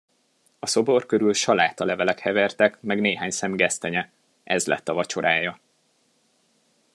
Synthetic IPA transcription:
ɒso̞bo̞rkøɾylʃɒlaːt̪ɒlɛvɛlɛkhɛvɛrt̪ɛkmɛɡneːɦaːɲsɛmɡɛst̪ɛɲɛ | ʔɛzlɛ̰t̪ːɒvɒt͡ʃo̞ɾʔaːjɒ

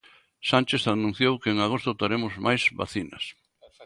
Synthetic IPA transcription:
sant͡ʃeθanũn̟θjowkɪeŋaɣost̪ʊt̪aɾemʊzmajzβa̰θinɐ̰s

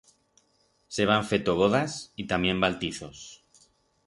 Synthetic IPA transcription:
seβ̞aɱfet̪oɣ̞oðasit̪amje̞mbalt̪iθos

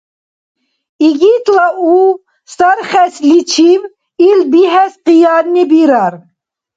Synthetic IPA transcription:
iɡit̪lau | st̪aɾχɛslit͡ʃʰiv | ilbiɦɛsqijɑɾnːibiɾaɾ

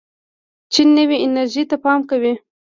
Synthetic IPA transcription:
t͡ʃinːəwiʔɪnaɾʒit̪apɑmkawi

